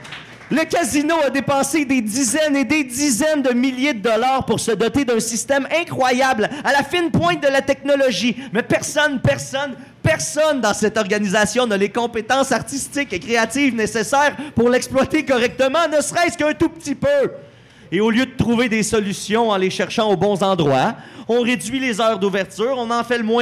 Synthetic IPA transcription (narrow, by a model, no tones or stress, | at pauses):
ləkazinoad̪epɑ̃sed̪ed̪izɛned̪ed̪izɛnd̪əmiljed̪əd̪ɔlaːʁpuʁsəd̪ɔt̪ed̪œ̃sist̪ɛmɛ̃kχwajablalafɪnpwɛ̃t̪̚d̪əlat̪ɛknɔlɔʒimɛpɛʁsɔnpɛʁsɔn | pɛʁsɔnd̪ɑ̃sɛt̪ɔʁɡanizasjɔ̃nalekɔ̃pet̪ɑ̃saʁt̪ist̪ɪkekʁeat̪iːvnesesɛːʁpuʁlɛksplwat̪ekɔʁɛk̚t̪əmɑ̃nəsʁɛskœ̃t̪up̚t̪ipø | eoljød̪ət̪ʁuved̪esɔlysjɔ̃ɑ̃leʃɛʁʃɑ̃obɔ̃zɑ̃d̪ʁwaɔ̃ʁed͡zzɥilezœːʁd̪uvɛʁt̪yːʁɔ̃nɑ̃fɛləmwɛ̃